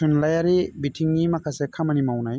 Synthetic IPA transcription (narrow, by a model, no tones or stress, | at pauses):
unlajaɾibitʰiŋnimakʰasekʰamanimawnaj